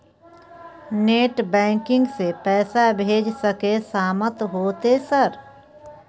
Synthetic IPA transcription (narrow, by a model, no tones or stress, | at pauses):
neːʈbɛ̃ːŋkɪ̃ŋɡsepɛːsabʱeːd͡ʒsəkesaːmət̪ɦoːt̪esɐɾ